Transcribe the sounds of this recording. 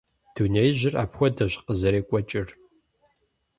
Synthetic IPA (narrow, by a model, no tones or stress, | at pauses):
d̥unejʑɪra̰ːpxʷɔdɐɕqəzɐɾeːkʷʼɔt͡ʃʼɪr